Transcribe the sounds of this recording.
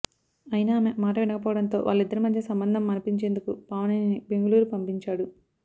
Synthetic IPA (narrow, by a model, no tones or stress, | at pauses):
ɐjnaːmemaːʈɐʋinɐkɐp̬ɔːʋɐɽɐnt̪o̞̰ːʋʔa̰ːɭːid̪ːɐɾimɐd̪ʱjɐsɐmbɐnd̪ʱɐmːɐnɐpiɲt͡ʃe̞ːnd̪ukupaːʋɐnɐnibe̞ŋɡɐluːɾupɐmpiɲt͡ʃaːɽu